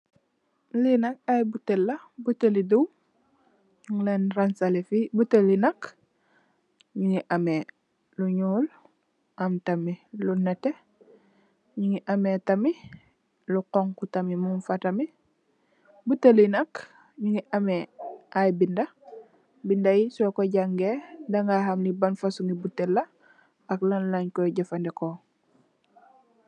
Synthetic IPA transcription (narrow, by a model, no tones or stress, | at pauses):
linak̚ajbutelːabuteliduw | ɲuŋlenɾansalefibutelinak | ɲiŋiʔame | luɲuːl | amtamilunete | ɲiŋiʔametami | luqoŋkutamimunfatami | butelinɐk | ɲiŋiʔameʔajbinda | bindajisokoɟaŋɡendaŋɡaɦamlibanfasuŋɡibutːelːa | aklanlaɲkoɟafandeko